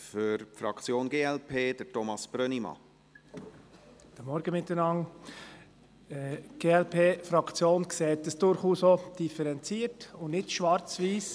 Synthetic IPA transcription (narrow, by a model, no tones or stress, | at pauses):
fʏɾpfɾɑkt͡sjoːnɡeːɛlpʰeːd̥̪əɾtɔmɑsb̥ɾœnimɑ̰ | d̥əmɔɾɡ̥əmɪtːənɑŋ | ɛɡ̥eːɛlpʰeːfɾɑkt͡sjoːnkseːtəsd̥ʊɾχuːsod̥ifəɾɛnt͡siːəɾtʊnnɪtʃʋɑɾt͡sʋiːs